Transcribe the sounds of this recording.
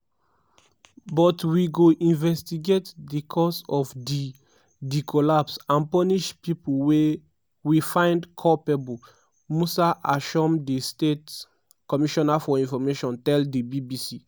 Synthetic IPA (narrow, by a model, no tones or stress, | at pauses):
bɔtwiɡoʔĩnvɛstiɡetdikʰɔsɔfdi | dikʰɔlapsãnpɔniʃpipulwe | wifãɪ̃ndkʰɔpɛbul | musaʔaʃɔmdistet | kɔmiʃɔnafɔĩnfɔmeʃɔ̃ntɛldibibisi